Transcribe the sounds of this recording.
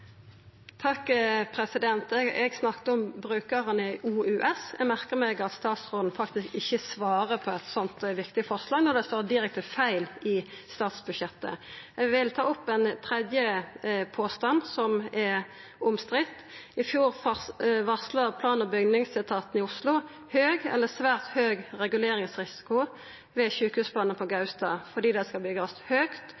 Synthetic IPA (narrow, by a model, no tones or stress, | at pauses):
t̪ʰɑkːpʰʁɛsɪd̪ɛnt̪ɛɡsnɑkt̪əɔmbʁʉːkəʁənəəʔuːʉːʔɛsɛ̰ɡmæʁkəʁmɛɡɑt̪st̪ɑːt̪sʁoːd̪n̩fɑkt̪ɪskɪçːəsʋɑːʁəpʰɔɛt̪sɔnt̪ʋɪkt̪ɪfɔʁslɑːɡnɔd̪ɛst̪oːʁd̪ɪʁɛk̚t̪əfæɪlɪst̪ɑːt̪sbʉʃjɛt̪ːə̰ɛɡʋɪlt̪ʰɑːɔpːɛnt̪ʰʁɛd̪jəpʰoːst̪ɑnsɔmɛ | ʊmst̪ʁɪt̪ː | ɪfjuːɾfʋɑslɑʁpʰlɑːnəbʏɡnɪŋsɪt̪ʰɑːt̪n̩ɪʊslʊ | høːɡɛ̰lːəsʋæːʁt̪høːɡʁɛɡʉleːɾɪŋsʁɪsɪ̥kʊ | ʋɛçʉːkhʉːspʰlɑːnənpʰɔɡɑʉst̪ɑfɔd̪iːd̪ɛskɑlbʏɡɑshøːkt̪